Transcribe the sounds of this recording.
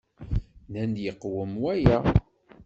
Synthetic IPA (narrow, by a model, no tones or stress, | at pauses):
nænd̪jəqːwəmwæjæ